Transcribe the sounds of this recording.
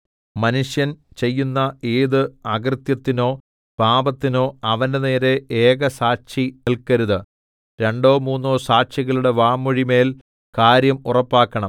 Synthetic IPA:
mɐnuʂjɐnt͡ɕe̞jːunːɐeːðɨɐɡɐrt̪jɐt̪ːino̞ː | paːbɐt̪ːino̞ːɐʋɐndene̞ːɾe̞eːɣɐsaːɕinilkɐɾuðɨ | ɾe̞ɳɖo̞ːmuːnːo̞ːsaːʂiɣɐɭuɽe̞ʋaːmːuɻime̞ːl | kaːɾjɐmurɐpːaːkːɐɳɐm

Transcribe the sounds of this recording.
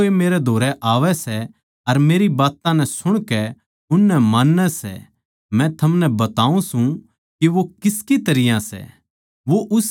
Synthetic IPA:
emeːɾɛd̪ʱoːɾɛʔaːʋɛsɛ | ɐɾmeːɾibaːt̪ãnɛ̃sʊɽ̃kɛ | ʊnːɛmaːnːɛsɛ̰ | mɛ̃t̪ʰɐmnɛbɐt̪aːũsũ | kiʋokɪskit̪ɐɾɪjãsɛ̰ | ʋoʔʊs

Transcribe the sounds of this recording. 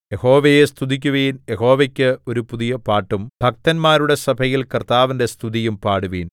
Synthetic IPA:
jeho̞ːʋejest̪ʰuðik̬ʲːuʋeːnjeɦo̞ːʋekʲːɨo̞ɾupuðijɐpaːʈːumb̥ʱɐk̚t̪ɐnmaːɾuɽe̞sɐbʱɐjilkɐrt̪aːʋinde̞st̪ʰuðijumpaːɽuʋeːn

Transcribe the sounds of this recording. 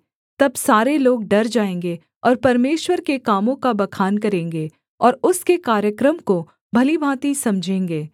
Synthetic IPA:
t̪ɐbsaːɾeloːɡ̚ɖɐɾd͡ʒaːẽːŋɡe | ɔːɾpɐɾmeːʃwəɾkekaːmõkabɐkʰaːnkɐɾẽːŋɡe | ɔːɾʊskekaːɾjəkɾəmko | bʱɐlibʱaːt̪isɐ̃md͡ʒʱẽːŋɡeː

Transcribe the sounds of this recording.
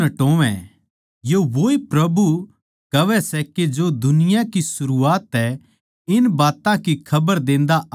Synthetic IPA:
ɐʈõːʋɛ̰̃ | joʋoːipɾɐbu | kɐʋɛsɛked͡ʒod̪ʊnɪjakisʊɾuaːt̪ːɛ | ɪnbaːt̪ãkikʰɐbəɾd̪ẽːn̆d̪a

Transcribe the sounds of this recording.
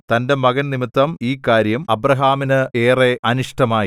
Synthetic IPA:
t̪ɐnde̞mɐɣɐnnimit̪ːɐmiːkːaːɾjɐmɐbrɐɦaːminɨeːre̞ʔɐniʂʈɐmaːji

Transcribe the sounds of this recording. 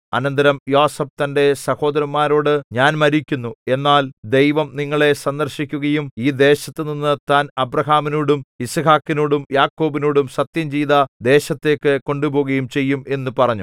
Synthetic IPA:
ɐ̰nɐnd̪ɐɾɐmjoːsɐb̚t̪ɐnde̞sɐho̞ːd̪ɐɾɐmːaːɾo̞ːɽɨɲaːnmɐɾikʲːunːue̞nːaːld̪e̞jʋɐmniŋːɐɭe̞sɐnd̪ɐrɕikʲːuɣɐjumiːd̪e̞ːɕɐt̪ːɨninːɨt̪aːnɐbrɐɦaːminoːɽumisɐhaːkːinoːɽumjaːkːo̞ːbinoːɽumsɐt̪jɐmd͡ʑiːðɐd̪e̞ːɕɐt̪ːe̞ːkːɨko̞ɳɖubo̞ːɣɐjumt͡ɕe̞jːume̞nːupɐrɐɲːu

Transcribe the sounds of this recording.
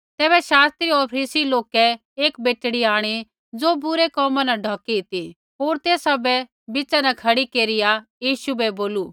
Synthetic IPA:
t̪ɛːbɛʃaːst̪ɾiɔːɾpʰɾiːsiloːkɛ | eːkbeːʈɽiaːɽ̃i | d͡zoːbʊɾekɔːmãnɐɖʱɔːkiɪt̪i | ɦoːɾt̪eːsɐbɛ | bɪt͡ʃanɛkʰɐɽikeːɾɪjajiːʃubɛboːlu

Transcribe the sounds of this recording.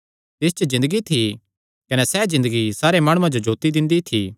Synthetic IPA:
t̪ɪst͡ʃəzɪ̃nd̪əɡit̪ʰi | kɐnɛsɛzɪ̃nd̪əɡisaːɾemaːɽ̃ʊ̃ãd͡ʒod͡ʒoːt̪id̪ɪ̃nd̪it̪ʰi

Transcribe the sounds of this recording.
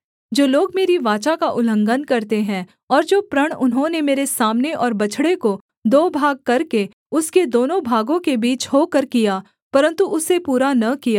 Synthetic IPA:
d͡ʒoːloːɡmeːɾiʋaːt͡ʃakaʔʊlə̃ŋɡənkɐɾt̪eɦɛ̃ | ɔːɾd͡ʒoːpɾɐɽ̃ʊnɦõnemeːɾesaːmneʔɔːɾbɐt͡ʃʰɽeko | d̪oːbʱaːɡ̚kɐɾke | ʊsked̪oːnõbʱaːɡõkebiːt͡ʃhoːkəɾkijaː | pɐɾə̃nt̪uʔʊsepuːɾanɐkijaː

